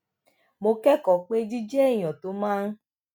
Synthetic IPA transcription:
mo˧kɛ˦kɔ˨k͡pe˦d͡ʒi˦d͡ʒɛ˦˨j̃ɔ̃˨to˨˦mãː˦n̩˦

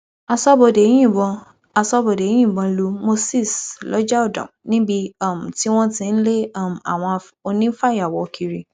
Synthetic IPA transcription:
a˧sɔ˦bo˨de˨˦j̃ĩ˦˨bɔ̃˧ | a˧sɔ˦bo˨de˨˦j̃ĩ˦˨bɔ̃˧˦lu˧mo˧si˦˨slɔ˨˦d͡ʒa˦o˦˨dɔ̰̃˨nĩ˦bi˧ɔ˦˨m̩˨ti˦w̃ɔ̃˦tĩ˧n̩˦le˦˨m̩˨a̰˨w̃ɔ̃˧ | o˧nĩ˦fa˦˨ja˨wɔ˨˧kʰi˧ɾi˧

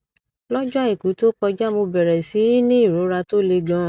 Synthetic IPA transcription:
lɔ˦d͡ʒu˦a˦i˨ku˨˦to˦kɔ˧d͡ʒa˦mo˧bɛ˨ɾɛ˨si˨˦ɾi˦nĩ˦i˦˨ɾo˨˦ɾa˧to˦le˧ɡã˦˨

